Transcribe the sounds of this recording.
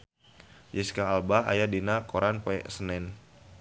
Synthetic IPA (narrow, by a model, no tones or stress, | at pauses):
jiskaːlbaa̰jadinakoɾʔanpɛsənɛn